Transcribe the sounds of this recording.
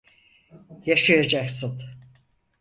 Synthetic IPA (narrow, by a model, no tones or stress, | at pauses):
jaʃajad͡ʒaksɯn